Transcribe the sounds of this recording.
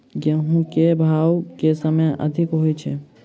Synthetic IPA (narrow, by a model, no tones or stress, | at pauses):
ɡəɦũkebʱawkesəmjʔə̰d̪ʱikɦojt͡ʃʰɛ̰